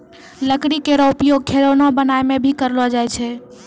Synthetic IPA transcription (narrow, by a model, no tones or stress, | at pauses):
ləkɽikeɾɔupjoɡ̚kʰeɽonɔbənaemebʱikəɾlɔd͡ʒajt͡ʃʰɛ